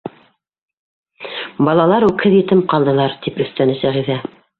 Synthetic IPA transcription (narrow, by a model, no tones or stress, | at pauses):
bɑlˠɑlˠɑɾʉkhɘðjɘ̆t̪ɘmqɑlˠd̪ɤ̆lˠɑɾt̪ipɵ̆θt̪ænɘsæʁiðæ